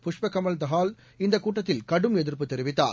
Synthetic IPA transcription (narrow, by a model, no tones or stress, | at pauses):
pʊʂpɐkːɐmɐld̪ɐɣaːl | ɪnd̪ɐkːuːʈːɐt̪ːɪlkɐɽɯmɛðɪɾpɯt̪ːɛɾɪʋɪt̪ːaːɾ